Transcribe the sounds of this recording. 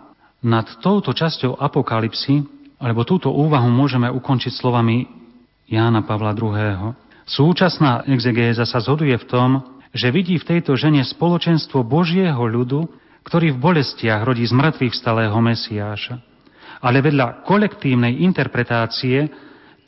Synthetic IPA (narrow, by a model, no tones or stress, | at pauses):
nat̪ːɔʊt̪ɔt͡ʃascɔʊʔapɔkalipsialɛbɔt̪uːt̪ɔʔuːʋaɦumʊɔʒɛmɛʔukɔnt͡ʃicslɔʋami | jaːnapaʋlad̪ɾuɦɛːɦɔ | suːt͡ʃasnaːʔɛɡzɛɡɛːzasazɦɔd̪ujɛft̪ɔmʒɛʋiɟiːft̪ɛjt̪ɔʒɛɲɛspɔlɔt͡ʃɛnst̪ʋɔbɔʒɪɛɦɔʎud̪u | kt̪ɔɾiːvbɔlɛscɪaɣɾɔɟiːzmr̩t̪ʋifst̪alɛːɦɔmɛsiaːʃa | alɛʋɛd̪ʎakɔlɛkt̪iːʊnɛjint̪ɛɾpɾɛt̪aːt͡siɛ